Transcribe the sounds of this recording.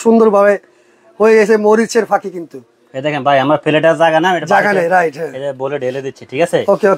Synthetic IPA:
ʃund̪oɾbʱabe | hojeɡet͡ɕʰemoɾiɾt͡ʃʰeɾpʰakikint̪u | ed̪ekʰenbajamɾapʰileʈaɾzaɡanamɛʈbakʰaneɾajʈɦɛ̃ed̪eboleɖeled̪iiʈʰikaseoːkeok

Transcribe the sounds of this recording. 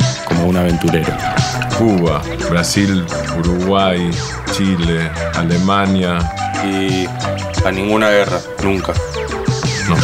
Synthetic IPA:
komounaβẽnt̪uɾeɾokuβa | βɾasil | uɾuɣwaj | t͡ʃilealemãnjai | anĩŋɡunaɣera | nũŋka | no

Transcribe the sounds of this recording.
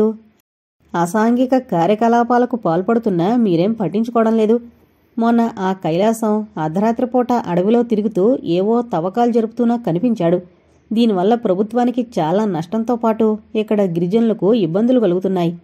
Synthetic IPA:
u | ɐsaːŋɡikɐkaːɾjɐkɐlaːpaːlɐkupaːlupɐɽut̪unːamiːɾe̞ːmpɐʈːiɲt͡ʃukɔːʋɐɽɐmle̞ːd̪u | mɔnːɐʔaːkɐjlaːsɐwad̪ʱɐɾaːt̪ɾɐpɔːʈaʔɐɽɐʋilo̞ːt̪iɾuɡit̪uːeːʋo̞ːt̪ɐʋɐkaːlud͡ʒɐɾuput̪uːnaːkɐnipiɲt͡ʃaːɽu | d̪iːniʋɐlːɐpɾɐbʱut̪ʋaːnikit͡ʃaːlaːnɐʂʈɐnt̪o̞ːpaːʈuikːɐɽɐɡiɾid͡ʒɐnlɐkuibːɐnd̪ʱulukɐluɡut̪unːaːji

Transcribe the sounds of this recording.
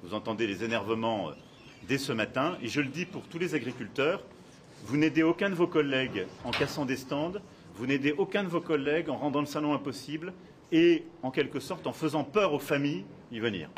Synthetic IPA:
vuzɑ̃t̪ɑ̃d̪elezenɛʁvəmɑ̃ø̰ | d̪ɛsəmat̪ɛ̃eʒələd̪ipuʁt̪ulezaɡʁikʲylt̪œːʁ | vuned̪eokʲɛ̃d̪əvokɔlːɛɡɑ̃kasɑ̃d̪est̪ɑ̃d̪ | vuned̪eʔokʲɛ̃d̪əvokɔlːɛɡɑ̃ʁɑ̃d̪ɑ̃ləsalɔ̃ɛ̃pɔsibl | eɑ̃kʲɛlkəsɔʁt̪ɑ̃fəzɑ̃pœʁofamij | ivənḭːʁ

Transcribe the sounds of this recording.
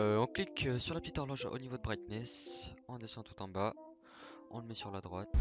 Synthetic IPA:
øɔ̃klikøsyʁlapət̪it̪ɔʁlɔʒa̰ʔo̰nivod̪əbʁit̪nɛsɑ̃d̪esɑ̃t̪u̥t̪ɑ̃ba | ɔ̃ləmɛsyʁlad̪ʁwat̪

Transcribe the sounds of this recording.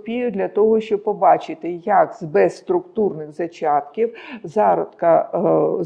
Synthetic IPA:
pʲijʊd̪ʲlʲɐt̪ɔɦɔʃt͡ʃɔb̚pɔbɑt͡ʃɪt̪ɪjɐkzbɛsst̪ɾʊkt̪urnɪɣzɐt͡ʃɑt̪kʲiwzɑɾɔt̪kɐ

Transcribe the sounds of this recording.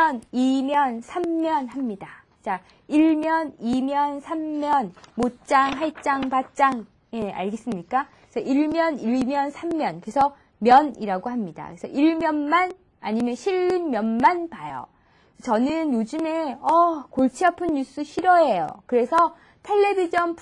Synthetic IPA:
ʌnimjʌnsʰamːjʌnhamɲida | t͡ɕ͈a | iɭmjʌnimjʌnsʰammjʌnmot͡ɕ͈aŋɦaɭt͡ɕ͈aŋpat͡ɕ͈aŋ | je̞a̰ɭɡe̞s͈ɯmɲik͈akkesʰʌʔiɭmjʌniɭmjʌnsʰamːjʌnkɯɾesʰʌ | mjʌniɾaɡoɦamɲida̰kesʰʌ̰ʔiɭmjʌnman | aɲimjʌɕʰiɭːinmjʌnmanpajʌ̰ | t͡ɕʌnɯnjod͡ʑɯme̞ʌkoɭt͡ɕʰiɦapʰɯnɲus͈ɯɕʰiɾʌejo̰kɯɾe̞sʰʌ | tʰe̞ɭːe̞bid͡ʑʌnp

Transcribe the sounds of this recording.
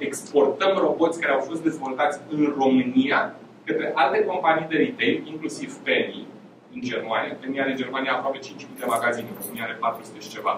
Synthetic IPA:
e̞kspo̞rt̪əmro̞bo̞t̪sʲkaɾeawfo̞st̪̚d̪ezvo̞lt̪at̪sʲɨnro̞mɨnia | kət̪ɾe̞ʔalt̪e̞ko̞mpanijd̪e̞ɾit̪e̞jiŋklusiv̥peni | ɨnd͡ʒe̞rmaniafeniad̪ed͡ʒe̞rmanijaːpɾowape̞t͡ʃint͡ʃmiːd̪e̞maɡazineuunialepat̪ɾuzɨ̥t̪eʃi̥t͡ʃe̞va̰

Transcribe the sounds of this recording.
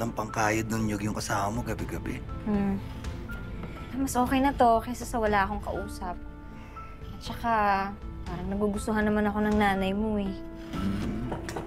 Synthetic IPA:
lɐŋpɐŋkaːjɐd̪nʊnjojʊŋkɐsaːmɐmoɡɐbɛɡɐbɛ | ʔɐmɐsʔo̞ːkɛjnɐt̪o̞kɛsɐsɐwɐlaːʔɐko̞ŋkɐ̰ʔuːsɐp̚ | ʔɐt̪̚t͡ʃɐkapaːɾɐŋnɐɡuːɡʊst̪oɦanːɐmanɐko̞nɐŋnaːnɐjmo̞ɛ

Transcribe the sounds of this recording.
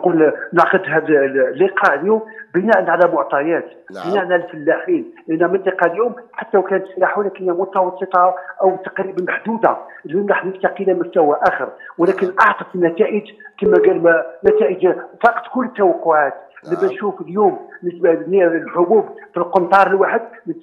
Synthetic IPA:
qulnəʕqəd̪ɦæd̪lːiqɑljumbənæʔənʕalæmʊʕt̪ˤɑjæt̪ | b̥ənæʔənʕalælfəlːæħinlʔənːæmənt̪ˤiqɑljʊmħat̪ːæwkænət̪slaħuwnækəæmʊt̪ɑwɑsˤːət̪ˤɑʔəwt̪ːɑ̥qɾibmaħd̪ud̪alunɾˤɑħnəft̪aqilæmʊst̪æwæʔæxəɾwəlækənʔɑʕt̪əfənːæt̪æʔəd͡ʒk̪əmːæɡælmnæt̪æʔəd͡ʒfɑqt̪kʊlːət̪ːæwɑqːʊʕat̪limænʃufəljumənəsbænilħʊbubfilqʊnt̪ˤɑɾˤəlwaħəd̪nə

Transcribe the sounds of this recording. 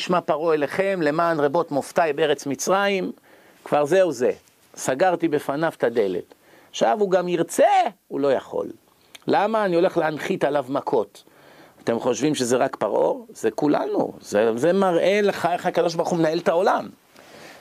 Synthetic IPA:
iʃmapaʁoeleχe̞mle̞maːnʁebo̞t̪moft̪ajbeeʁet͡smit͡sʁaim | kvaʁzeuze | saɡaʁt̪ibefanaft̪ad̪e̞le̞̰t̪ | aχʃavuɡamiʁt͡seulo̞jaχo̞̰lː | amaːnio̞le̞χleanχit̪alavmakʰo̞t̪ | at̪e̞mχo̞ʃvimʃezeʁakpaʁo̞ʁzekula̰nṵzezemaʁʔe̞leχaeχakad̪o̞ʃ̬baʁχumenae̞lt̪ao̞lam

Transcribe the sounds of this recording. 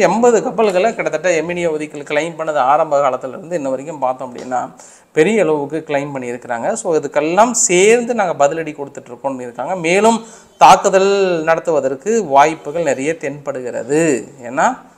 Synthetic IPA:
ɛmbɐðɯkɐpːɐlɣɐɭɐkɪɽɐt̪ːɐʈːɐɛmːɪnɪjaʋɔðɪkːɐlkɪɭɐɪmpɐɳːɐðɯaːɾɐmbɐɣɐːɭɐt̪ːɯlɪɾɯnd̪ɯɛnːɐʋɐɾɪk̬ːɯmpaːɾt̪õɐpɐɽɪ̰ɐ̰nːa̰ː | pɛɾɪjɐɪɭɐʋɯkːɯkɪɭɐɪnpɐɳːiɪɾɯkːɪɾaːŋɡɐsoːɪðɯkːɛlːaːmseːɾnd̪ɯnaːŋɡɐbɐðɪlɐɽikɔɽɯt̪ːɯʈːɾɯkːõnnːɯɪɾɯkːaːŋɡɐmeːlɯm | t̪aːkːɯðɐlnɐɽɐt̪ːɯʋɐðɐɾkːɯʋaːjpːɯɣɐɭnɛɾɐjɐt̪ɛnpɐɽɯɣɪɾɐ̰ðɯḛːnːaː

